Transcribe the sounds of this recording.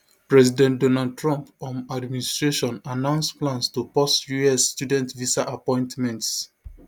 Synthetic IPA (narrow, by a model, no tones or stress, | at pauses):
pɹɛzidɛ̃ntdɔnad̚tʰɹɔ̃mpɔ̃madministɹeʃɔ̃nanãʊ̃nsplãnstupɔsjuɛsːtudɛ̃ntvisaʔapɔ̃ɪ̃ntmɛ̃nts